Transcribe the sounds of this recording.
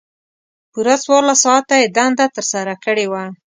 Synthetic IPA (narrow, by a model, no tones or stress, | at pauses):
puɾaswaɾlasɑat̪ːajed̪and̪at̪əɾsaɾakəɽewa